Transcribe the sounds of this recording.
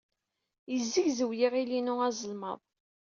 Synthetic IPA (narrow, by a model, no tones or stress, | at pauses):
jəzːiʝzəwjiʁilinʊæzˤəlmə̰ðˤ